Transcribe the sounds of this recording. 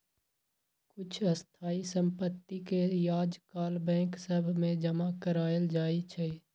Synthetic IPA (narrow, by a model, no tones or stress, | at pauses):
kʊt͡ʃʰəst̪ʰaːisə̃mpət̪ːikejaːd͡ʒkaːlbɛ̃ːksəbʱmẽd͡ʒəmakəɾaːəld͡ʒaːit͡ʃʰɛ